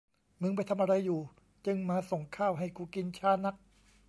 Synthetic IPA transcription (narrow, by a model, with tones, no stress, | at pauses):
mɯ˧˥ŋp̬a˧jt̪ʰa˧mʔa˧ɾa˧jːuː˨˩ | t͡ɕɯ˧ŋmaː˧so˨˩ŋkʰaː˥˩wɦa˥˩jkuː˧˩ki˧nt͡ɕʰaː˧˥˩na˦˥k̚